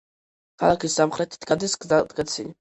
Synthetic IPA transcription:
kʰalˠakʰisːamχɾɛt̪ʰi̥t̪ʰɡad̪isɡad̪ɡɛt̪sʰili

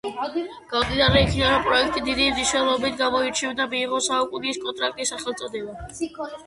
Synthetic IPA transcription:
ɡ̥ad̪id̪aɾɛikʰid̪aɾɔmpʼɾɔɛkʰt̪ʼid̪id̪imniʃnɛlˠɔbit̪ʰɡamɔit͡ʃʰivd̪amiːʁɔsaukʼuniskʼɔnt̪ʼɾakʼt̪ʼisːaχɛlˠt̪sʼɔd̪ɛba

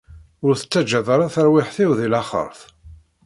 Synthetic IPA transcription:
ʊɾθə̥t͡sːæd͡ʒæðəɾˤaθəɾwɪħθiwðilæχə̰ɾˤθ

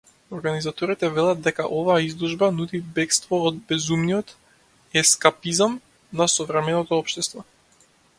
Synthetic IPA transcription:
oɾɡanizat̪ɔɾit̪ɛvɛlˠad̪̚d̪ɛka̰ʔɔvaːizlˠuʒbanud̪ibɛkst̪vɔːd̪̚bɛzumnijɔt̪ | ɛskapizam | nasɔvɾɛmɛnɔt̪ɔɔpʃt̪ɛst̪vɔ

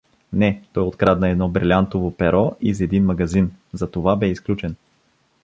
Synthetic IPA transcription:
nɛt̪ɔjot̪kɾad̪nɐɛd̪nɔbɾilʲant̪ovopɛɾɔʔizɛd̪inmɐɡɐzinzɐt̪ovabɛisklʲut͡ʃɛn

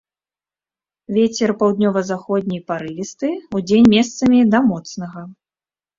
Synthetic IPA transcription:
vʲet͡sʲɛrpawd̪nʲɔvɐzaxɔd̪̚ʲnʲijpaɾɨlʲist̪ɨud͡zʲenʲmʲɛst̪sɐmʲid̪ɐmɔt̪snɐɣɐ

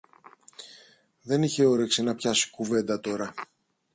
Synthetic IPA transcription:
ðe̞niçe̞o̞ɾe̞ksinɐpçɐsi̥kuve̞nd̪ɐt̪o̞ɾɐ

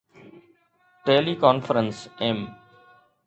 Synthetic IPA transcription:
ʈeːlikɔːnfəɾənsem

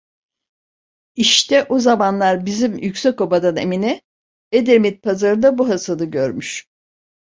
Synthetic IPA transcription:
iʃt̪ʰɛʔozamanlˠaɾbizimjycsɛko̞bad̪anḛminɛ | ed̪eɾmit̪̚pʰazaɾɯnd̪abuɦasanɯɟøɾmyʃ

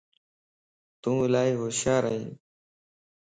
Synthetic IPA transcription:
t̪ũːlaːiːɦoːʃaːɾəɦĩː

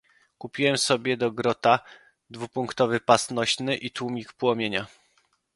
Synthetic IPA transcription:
kupʲiwɛmsɔbʲjɛd̪ɔɡɾɔt̪a | d̪vupuŋkt̪ɔvɘpast̪nɔɕnɘʔit̪wumʲikpwɔmʲjeɲa

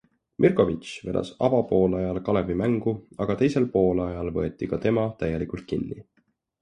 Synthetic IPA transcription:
mʔirko̞vit͡ʃve̞d̪ɑ̰sɑ̰bɑpo̞ːlɑjɑlkɑle̞vimæŋɡ̥uɑɡ̥ɑt̪e̞jse̞lpo̞ːlɑjɑlvɤ̞e̞t̪ːˑikɑt̪e̞mɑt̪æjːe̞likult̪̚kinːi

